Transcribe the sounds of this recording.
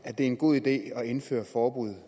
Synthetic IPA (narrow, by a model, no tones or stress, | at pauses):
æɐd̥e̝æɐenɡ̥o̝ð̰ˠid̥e̝̰ːɒ̽e̝nfø̰ːɐfɒːb̥uð̰ˠ